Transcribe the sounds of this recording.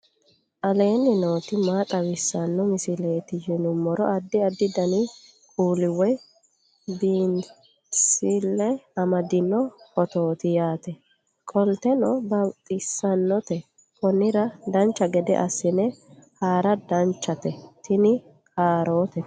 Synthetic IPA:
ʔɐle̞ːnːɪnoːt̪ɪmaːt̪ʼɐwɪsːɐnːɔmɪsɪle̞ːt̪ɪjɪnʊmːɔɾɔʔɐd̪ːɪɐd̪ːɪd̪ɐnɪ | kʼuːlɪwɔj | b̪iːn | sɪlːɛɐmɐd̪ɪnːɔkɔt̪o̞ːt̪ɪjaːt̪ɛ | kʼɔlt̪ɛnɔbɐwt̪ʼːɪsːɐnːɔt̪ɛ | kɔnːɪɾɐd̪ɐnt͡ʃːɐɡɛd̪ɛ̰ʔɐsːɪnɛhaːɾɐd̪ɐnt͡ʃːɐt̪ɛt̪ɪnɪ | haːɾo̞ːt̪ɛ

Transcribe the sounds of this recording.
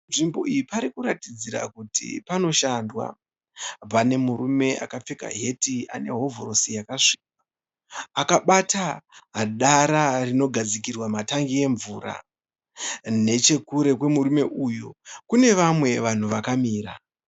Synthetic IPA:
nʐimbo̞ijipaɾikuɾatid͡ziɾa̰kutḭpano̞ʃandwa̰ | pane̞muɾume̞ʔa̰kap͡feka̰ɦe̞tia̰ne̞ɦo̞voɾo̞sijakaʂi̥kwwa | akaɓataɦaɗaɾarino̞ɡʱad͡zikirwamataŋɡie̞ɱvuːra̰ | ne̞t͡ʃe̞kuɾe̞kwe̞murume̞ʔujokune̞ʋamwe̞ʋan̤uʋakamiːɾa̰

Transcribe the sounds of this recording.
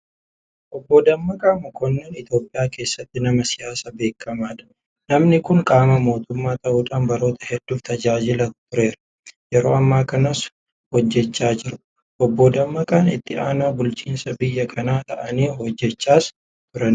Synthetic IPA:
ʔɔbːoːd̪ɐmːɐkʼaːmkɔnːeːnɪt̪jo̞ːpʼːɪjaːke̞ːsːɐt̪ːɪnɐmɐsɪjaːsɐbe̞ːkːɐmaːᶑɐ̥ | nɐmnɪkʊŋkʼaːmɐmo̞ːt̪ʊmːaːt̪ɐʔuːᶑaːnbɐɾo̞ːt̪ɐhɛd̪̥ːuːft̪ɐd͡ʒaːd͡ʒɪlɐt̪ʊɾe̞ːɾɐ̥ | jɛɾo̞ːɐmːaːkɐnɐs | hɔd͡ʒːɛt͡ʃːaːd͡ʒɪɾʊ̥ | ʔɔbːoːd̪ɐmːɐkʼaːnɪ̰t̪ːɪaːnaːbʊlt͡ʃiːnsɐbɪjːɐkʰɐnaːt̪ɐʔɐniːhɔd͡ʒːɛt͡ʃːaːs | t̪ʊɾɐn

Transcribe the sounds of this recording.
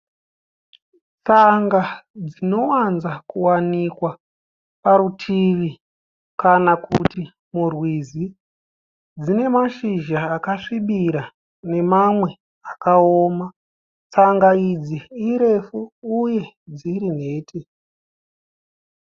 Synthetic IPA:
t͡saŋɡad͡zino̞wanzakuwanikwa | paɾutʰiʋi | kanakuti | murwizi | d͡zine̞maʃiʒaːkaʂiɓiɾa | ne̞mamwe̞ | akaoːma | t͡saŋɡaid͡ziːɾe̞fuuje̞d͡ziɾin̤e̞ːtʰi

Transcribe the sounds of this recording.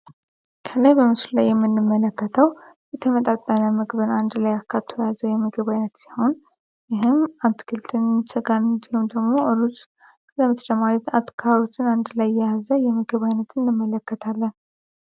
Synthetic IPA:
kʰəlajbəmɨslulajːɛmːɨnːɨmːələkːət̪ʰəwjɛt̪ʰəmət̪ʼat̪ʼːənəmɨɡβɨnand̪lajakʰːaβt̪ʰojazəjɛmɨɡɨβajnət̪si̥ho̞n | jɪɦɨmat̪kʰɨlt̪ʰʼɨnsəɡant̪umd̪əɡmo̞ʔəlusʼ | ləmɨt̪t͡ʃəmaɾit̪at̪ːkʰaβaβit̪ʰɨnand̪lajjɛjazəjɛmɨɡɨβajnət̪ʰɨnjɨmːələkːət̪ʰalːən

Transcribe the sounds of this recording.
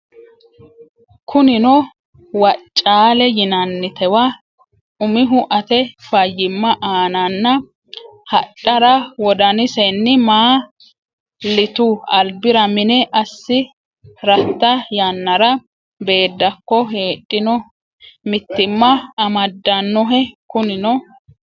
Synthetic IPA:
kʰʊnɪnɔ | wɐt͡ʃʼːaːlɛjɪnɐnːɪt̪ɛwɐ | ʊmɪɦʊʔɐt̪ɛfɐjːɪmːɐʔaːnɐnːɐ | hɐt͡ʃʼːɐɾɐwɔd̪ɐnɪsɛnːɪmaː | lɪt̪uɐlbɪɾɐmɪnɛʔɐsːɪ | ɾɐt̪ːɐjɐnːɐɾɐ | be̞ːd̪ːɐkːɔɦe̞ːɗʼːɪnɔ | mɪt̪ːɪmːɐːmɐd̪ːɐnːɔɦɛkʊnɪnɔ

